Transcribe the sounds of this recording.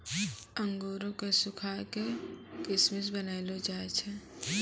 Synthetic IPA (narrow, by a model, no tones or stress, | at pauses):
ə̃ŋɡoːɾõkesʊkʰaːkekɪsmɪs̬bənaːɪlod͡ʒaːet͡ʃʰɛ